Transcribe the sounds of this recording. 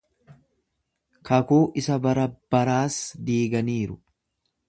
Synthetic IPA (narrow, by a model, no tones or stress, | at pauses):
kɐkuːʔɪsɐbɐɾɐb̥ɐɾaːsd̪iːɡɐniːɾʊ